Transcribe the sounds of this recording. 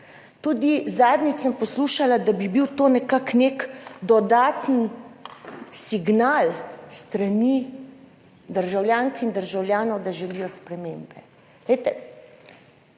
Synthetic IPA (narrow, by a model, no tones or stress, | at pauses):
t̪uːd̪izaːd̪nisəmpɔsluːʃalad̪abibiwt̪oːnɛkaknekd̪ɔd̪aːt̪n̩ | siɡnalst̪ɾani | d̪əɾʒawljaːŋkind̪əɾʒawlʲjaːnɔwd̪aʒɛlijɔspɾɛmeːmbɛ | lɛjt̪ɛ